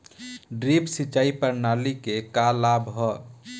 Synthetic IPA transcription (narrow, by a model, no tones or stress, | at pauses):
ɖɾipsit͡ʃaipəɾnalikekalabɦɔ